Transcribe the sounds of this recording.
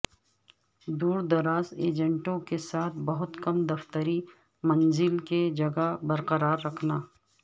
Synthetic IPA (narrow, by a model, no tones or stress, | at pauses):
d̪uːɾd̪ɐɾaːzeːd͡ʒə̃ɳʈõkesaːt̪ʰbɐɦʊt̪kɐmd̪ɐft̪əɾi | mɐnzɪlked͡ʒɐɡabɐɾqəɾaːɾːɐkʰnaː